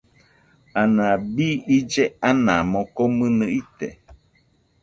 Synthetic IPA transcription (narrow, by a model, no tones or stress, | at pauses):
anãbiid͡ʒeanãmokomɨ̃nɨit̪ḛ